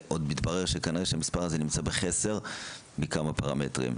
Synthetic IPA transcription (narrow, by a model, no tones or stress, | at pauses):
ʔod̪mit̪baʁeʁʃekaniʁeʃemispaʁazenimt͡sabeχese̞ʁ | bekamapaʁametʁḭm